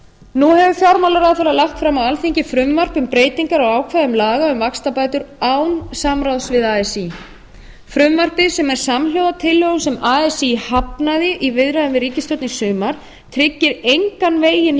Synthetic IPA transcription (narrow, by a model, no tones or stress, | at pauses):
nuhɛvʏfjawɾmalaɾaðfaɾalaxt̪fɾamawalθiɲcɪfɾʏmvar̥pʏmpɾeːjt̪iŋkaɾawaːwkʰvaðʏmlaːɣaʏmvakst̪apaːjt̪ʏɾawnsamɾawsvɪðaːɛsi | fɾʏmvar̥pɪsɛmɛɾ̥samljoːwðat̪ʰɪlːœɣʏmsɛmaːɛsihapnaðɪʔivɪðɾajðʏmvɪriːcɪst̪œwt̪nɪsʏːmaɾ̥ | t̪ʰɾɪcːɪɾejŋkanveːjɪn